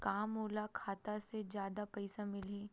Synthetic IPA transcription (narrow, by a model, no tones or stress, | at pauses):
kaːmoːlakʰaːt̪ased͡ʒjaːd̪apɛɪsamɪlɦẽː